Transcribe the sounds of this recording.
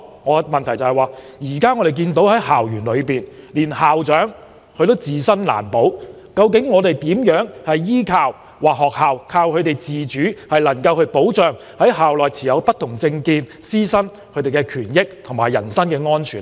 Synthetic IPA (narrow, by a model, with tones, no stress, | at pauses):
ŋɔː˨˧mɐ˨nt̪ʰɐ˨˩jt͡sɐ˨hjwaː˨ | jiː˨˩kaː˥ŋɔː˨˧ɾe˨jk̬iː˧nt̪o˨˥whɐ˨˥jhaː˨˩wjyː˨˩nlɵ˨˧ɥpiː˨n | liː˨˩nhaː˨wt͡ʃœː˨˥ŋ | kʰɵ˧t̪o˥wt͡siː˨sɐ˥nla̰ː˨˩npo˨˥w | kɐ˧wk̬ɪ˨˥ŋːɔː˨˧t̪e˨jt̪iː˨˥mjœː˨˥ŋhɐ˨jːiː˥kʰaː˧w | wʔaː˨k̚hɔː˨k̚haː˨wkʰaː˧wkʰɵ˨˧t̪e˨jt͡siː˨t͡ʃyː˨˥hɐ˨jlɐ˨˩ŋkɐ˧whɵ˧ɥpo˨˥wt͡ʃœː˨ŋ | hɐ˨˥jhaː˨wlɔː˨jt͡sʰiː˨jɐ˨˧wpɐ˥t̪ʰʊ˨˩ŋt͡sɪ˧ŋkiː˧n | siː˥sɐ˥n | kʰɵ˨˧ɥt̪e˨jkɛ˧kʰyː˨˩njɪ˥k̚t̪ʰʊ˨˩ŋmaː˨˩jːɐ̰˨˩nsɐ˥nkɛː˧ŋɔː˥nt͡ʃʰyː˨˩n